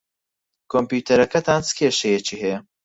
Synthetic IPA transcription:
kʰompjuːt̪ʰɐɾɐkɐt̪ʰaːnt͡sɨ̥kʰeːʃɛjɛt͡ʃiːhɛjɐ

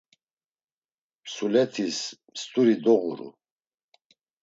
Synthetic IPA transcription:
pʰsulɛt̪ʰismst̪ʼuɾid̪ɔʁṵɾṵ

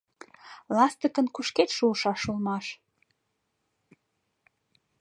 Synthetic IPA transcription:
lɑst̪əkənkuʃket̪ʃuəʃɑʃulmɑʃ

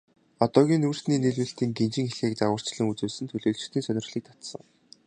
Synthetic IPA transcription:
at̪ɔːɣʲiːnuːr̥sniːneɮwɘ̆ɬt̪iːŋɡent͡ɕɪ̆ŋxeɮxeːkt͡saʁə̆r̥t͡ɕɮə̆ŋut͡suːsɘ̆nt̪ʰɵɮoːɮt͡ɕ̆t̪ʰiːnsœnʲɪ̆rɮiːk̚t̪ʰḁt̪sə̰̆ŋ

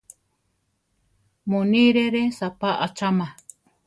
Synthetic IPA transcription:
moniɾeɾesapaʔat͡ʃamã

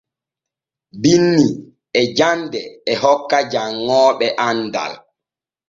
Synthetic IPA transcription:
binːi | ɛd͡ʒandɛɛhɔkːad͡ʒaŋːɔːɓɛʔanda̰l

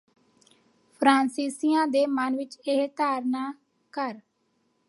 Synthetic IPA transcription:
pʰɾãːnsiːsijãːd̪eːmənʋɪt͡ʃeɦt̪aːɾnaː | kəɾ

